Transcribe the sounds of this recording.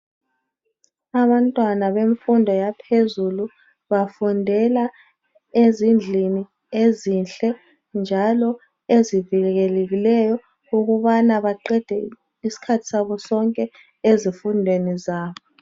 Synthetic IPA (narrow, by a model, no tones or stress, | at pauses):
aɓantʼwanaɓeɱfundʱɔjapʰezulu | ɓafundʱɛla | ezind͡ɮʱini | ezinɬɛ | nd͡ʒʱalɔ | eziviɣɛɣɛleɣilɛjɔ | uɣuɓanaɓaǃɛd̥ʱɛ | isi̥kʰatʰi̥saɓɔsɔŋkʼɛ | ezifundʱwenizaːɓɔ